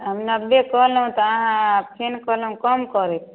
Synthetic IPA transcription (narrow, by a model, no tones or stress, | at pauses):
ɦəmnəbbekɔɦlɦũt̪ɔaɦãppʰenkəlɦũkəmkɔɾɛt̪ʰ